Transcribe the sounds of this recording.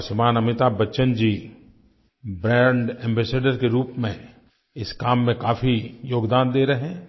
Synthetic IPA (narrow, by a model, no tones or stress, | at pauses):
ʃɪmaːnɐmɪt̪aːbɐtːʃənd͡ʒiː | bɾɛ̃ːɳɖɛ̃ːmbɛːseːɖəɾkeɾuːpmẽ | ɪskaːmːẽkaːfʰijoːɡd̪aːnd̪eːɾɐɦeɦɛ̃ː